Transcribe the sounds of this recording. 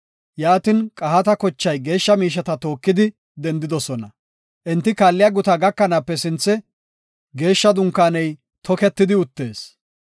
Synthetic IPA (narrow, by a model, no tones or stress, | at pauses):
jaːt̪ɪnkʼɐɦɐt̪ɐkɔt͡ʃːɐjɡe̞ːʃːɐmiːʃ̬ɐt̪ɐt̪o̞ːkːɪd̪ɪ | d̪ɛnd̪ɪd̪ɔsɔnɐ | ʔɛnt̪ːɪkaːlːɪjaːɡʊt̪ɐɡɐkːɐnaːpːɛsɪnt͡sːɛ | ɡe̞ːʃːɐd̪ʊŋkːaːnɛj | t̪ʰɔkɛt̪ːɪd̪ɪʊt̪ːe̞ːs